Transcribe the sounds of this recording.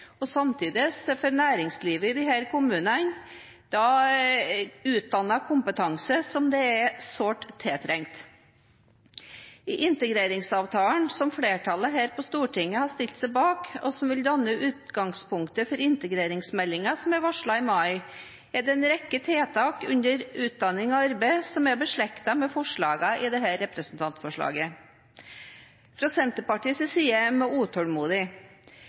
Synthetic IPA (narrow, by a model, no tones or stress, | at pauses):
ɔsɑmt̪ʰiːd̪ɪsfɔɾnæːɾɪŋsliːʋəɪd̪ɪɦæːɾkʊmʉːnən | d̪̥ɑ | ʉːt̪̚d̪ɑnːɑkʰʊmpət̪ʰɑŋsəsɔmd̪ɛæsoːʈt̪ʰːeːt̪ʰɾɛŋt̪ | ɪʔɪnt̪əɡɾeːɾɪŋsɑːʋt̪ʰɑːnsɔmfɽeːʈʰɑləɦæːɾpɔst̪uːʈʰɪŋːəhɑʂt̪ɪlt̪sæɪbɑːkɔ̰sɔmʋɪld̪ɑnːəʔʉːt̪ɡɑŋspʊŋkt̪əfɔɾɪnt̪əɡɾeːɾɪŋsmɛlːɪŋɑsɔmæɾʋɑʂɭɑɪmɑɪ | æɖɛnɾɛkːət̪ʰeːt̪ʰɑːkʉ̰nd̪əɾʉːt̪̚d̪ɑnːɪŋɔɑɾbæɪsɔmæbəʂɭɛkt̪ɑmɛfɔʂɭɑːɡɑʔɪd̪ɛɦæɾɛpɾəsn̩t̪ʰɑnt̪fɔʂɭɑ̰ːɡə | fɾɑsɛnt̪əpɑʈiːsəsiːəmɛuːt̪ʰɔlmuːd̪ɪ